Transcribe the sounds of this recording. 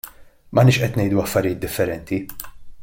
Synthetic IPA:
mɐhnɪːʃʔɛt̪nɛjd̪uɐfːɐɾɪjɪːt̪̚d̪ɪfːɛɾɛnt̪i

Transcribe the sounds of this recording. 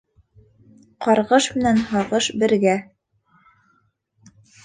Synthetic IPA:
qɑɾʁɤʃmɘ̆nænɦɑʁɤʃbɘ̆ɾɡæ

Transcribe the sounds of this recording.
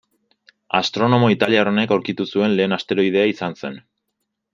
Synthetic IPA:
a̰st̪ɾo̞no̞mo̞it̪aliaro̞ne̞kawɾkit̪usue̞nle̞ːnast̪e̞ɾo̞ið̞e̞aisanse̞n

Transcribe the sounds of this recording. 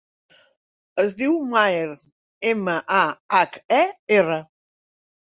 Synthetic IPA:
əzdðiwmaeɾ | eməʔaakɛerə

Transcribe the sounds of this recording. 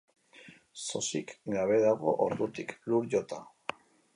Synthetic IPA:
so̞sikɡaβe̞ðaɣo̞̰ʔoɾðut̪ikluɾʝot̪a

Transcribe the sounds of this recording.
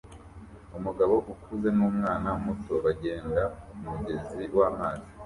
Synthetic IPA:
umuɡaβo̞ʔukʰuze̞nuːmŋaːnaumuto̞βaɟe̞ːndaumuɟe̞ziwaːmaːzi̥

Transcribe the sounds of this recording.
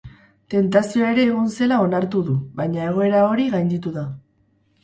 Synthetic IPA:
t̪e̞nt̪asioae̞ɾe̞ːɣonse̞lao̞naɾt̪uðuβajɲae̞ɣ̞o̞e̞ɾao̞ɾiɣajnd̪it̪uða

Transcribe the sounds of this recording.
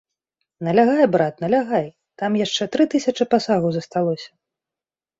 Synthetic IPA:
nɐlʲaɣajbɾat̪nɐlʲaɣaj | t̪amjaʂt͡ʂɛt̪ɾɨt̪ɨsʲɐt͡ʂɨpasaɣɐwzɐst̪alˠɔsʲɐ̥

